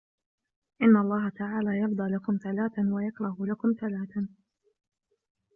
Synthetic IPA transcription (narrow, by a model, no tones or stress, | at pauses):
ʔɪnːaʔɑlˤːɑːɦat̪aʕaːlaːjɑfd̪ˤɑːlakʊmθalaːθawajakɾˤɑɦʊlakʊmθalaːθa